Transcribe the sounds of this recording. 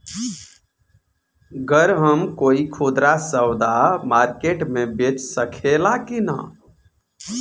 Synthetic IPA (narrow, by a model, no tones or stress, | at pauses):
ɡəɾɦəmkoːikʰoːd̪ɾasəwd̪amaːɾkeʈmẽbet͡ʃsəkʰelakina̰